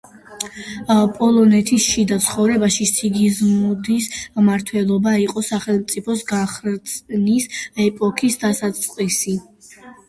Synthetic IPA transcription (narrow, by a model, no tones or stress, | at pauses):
pʼɔlˠɔnɛt̪ʰisʃid̪at̪sʰχɔvɾɛbaʃisiɡizmud̪ismaɾt̪ʰwɛlˠɔbaiqʼɔsaχɛlˠmt̪sʼipʰɔsɡaχɾt̪sʼnisɛpʼɔkʰisd̪asat̪sʼqʼwisi